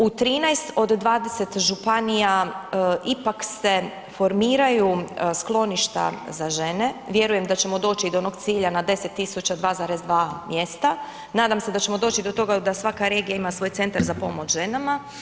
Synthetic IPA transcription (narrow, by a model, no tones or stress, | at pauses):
ut̪ɾiːnajst̪o̞d̪ːʋaːd̪e̞se̞t̪ʒupanija | ipakse̞ | fo̞ɾmiːɾajusklˠo̞niʃt̪a̰zaʒe̞ne̞ʋje̞ɾuje̞md̪at͡ɕe̞mo̞d̪o̞ːt͡ɕiːd̪oono̞ɡt̪siːʎanad̪e̞se̞t̪ːisut͡ɕad̪ʋaːzaɾezd̪ʋaːmje̞st̪a | naːd̪amsed̪at͡ɕe̞mo̞d̪o̞ːt͡ɕid̪o̞t̪o̞ɡad̪asʋakaɾe̞ːɡijaimasʋo̞ːjt̪se̞nt̪aɾzapo̞mo̞t͡ʃʒe̞nama